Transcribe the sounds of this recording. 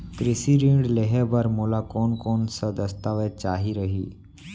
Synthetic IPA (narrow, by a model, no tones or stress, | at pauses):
kɾesiɾĩɖleɦebəɾmolakɔːnkɔːnsəd̪əst̪aʋet͡ʃaɦiɾəɦḭː